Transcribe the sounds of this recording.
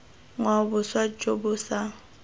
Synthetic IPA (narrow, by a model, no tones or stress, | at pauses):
ŋwabʊswat͡ʃʼobʊsa